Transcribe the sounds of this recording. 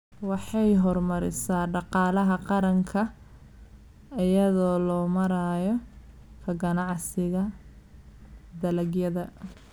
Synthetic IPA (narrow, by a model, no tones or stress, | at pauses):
wɑħɑjɦɔrmɐɾɪsaːɖɑqɑːlɐɦɐqɑɾɐŋkʰɐ | ɪjɐðɔːlɔːmɐɾaːjɔ | kʰɐɡɐnɑʕsɪɣɐ | d̪ɐlɐɡjɐðɐ